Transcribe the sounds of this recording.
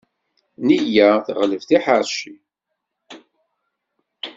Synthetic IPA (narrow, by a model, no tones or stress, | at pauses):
nijæθəʁləvθiħəɾʃi